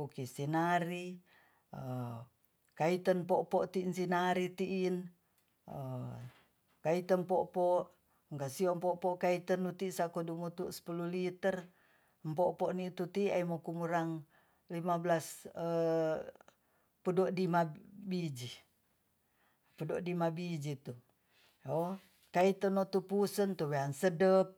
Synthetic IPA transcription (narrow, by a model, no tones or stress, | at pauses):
ukisinaɾi | ə | kait̪ənpɔʔpɔʔt̪iːnsinaɾit̪iʔːn | ə | kait̪ənpɔʔpɔʔ | ŋkasiɔmpɔʔpɔʔkait̪ənːut̪isakɔdumut̪uʔsə̥pululit̪ər | mpoʔpoʔniʔt̪ut̪iaimokumuɾaŋ | limabəlasə | pədoʔdimabid͡ʒi | pədoʔdimabid͡ʒit̪u | o | kait̪ənoʔt̪upusənt̪uweansədəp̚